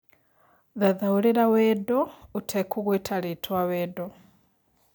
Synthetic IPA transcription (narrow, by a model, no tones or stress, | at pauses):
ðaðawuliɾawedoutʰekʰuɣwetʰalitʰwaweːdo